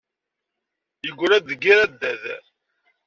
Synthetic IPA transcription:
jəɡʷːʊɾæd̪əɡiɾæd̪ːæð

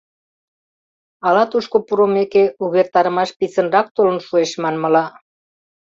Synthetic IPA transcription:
ɑlɑt̪uʃkopuɾomekeuβert̪ɑɾəmɑʃpit͡sənrɑk̚t̪olənʃueʃmɑnmə̆lɑ

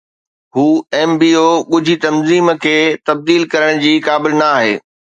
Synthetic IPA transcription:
ɦuːɛːmbiːoːɠʊd͡ʑʱit̪ɐmziːmkʰeːt̪ɐb̚d̪iːlkɐɾəɽ̃d͡ʑiːkaːbɪlnɐaːɦḛː

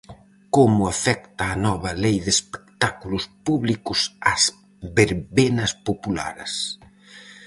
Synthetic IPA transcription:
komʊafɛk̚t̪aːnɔβɐlejðespe̥k̚t̪akulʊspuβlikʊsas | βeɾβenɐspopula̰ɾɐ̰s

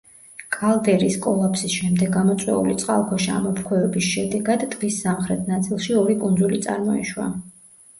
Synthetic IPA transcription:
kʼalˠd̪ɛɾiskʼɔlˠapʰsisʃɛmd̪ɛɡːamɔt̪sʼwɛ̰ṵlit̪sʼqʼa̰lˠkʰɔʃia̰mɔpʰkʰwɛɛbisʃɛd̪ɛɡad̪ːʁisːamχɾɛt̪ʰnat̪sʼilˠʃiɔɾikʼund̪zulit̪sʼa̰ɾmɔḭʃwa̰

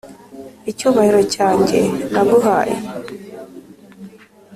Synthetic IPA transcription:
icuːβahiɾo̞caːɲɟe̞naβuɦaːjḛ

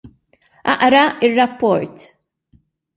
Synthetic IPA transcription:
ʔɐ̰ʔɾɐɪrːɐpːɔɾt̪

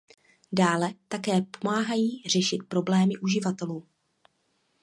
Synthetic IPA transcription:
daːlɛt̪akɛːpo̞maːɦajiːr̝ɛʃɪt̪̚pɾo̞blɛːmɪʔuʒɪvat̪ɛluː

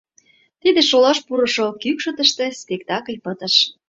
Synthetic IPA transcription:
t̪id̪eʃolɑʃpuɾɤʃokykʃə̆t̪əʃt̪espʲekt̪ɑkəlʲpət̪ə̆ʃ

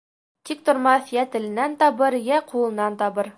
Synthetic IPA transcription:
t̪ik̚t̪ŏɾmɑθjæt̪ɘ̆lɘ̆nænt̪ɒβɤɾjæqʰulˠɤ̆nːɑnt̪ɒβɤɾ

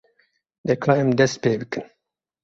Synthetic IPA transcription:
d̪ekʰlɑɛmd̪ɛst̪̚peːbɨkɨn

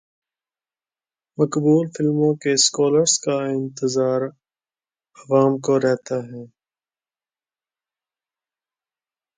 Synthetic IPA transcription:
mɐkbuːlfɪlmõkeskɔːləɾskaɪ̃nt̪ɪzaːɾ | ɐʋaːmkoɾɛɦt̪aɦɛ̃ː

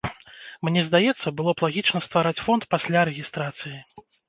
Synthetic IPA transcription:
mnʲɛzd̪ajɛt̪sːɐbɨlˠɔplˠaɣʲit͡ʂnɐst̪vaɾat͡sʲfɔnt̪pasʲlʲaɾɛɣʲist̪ɾat̪sɨji

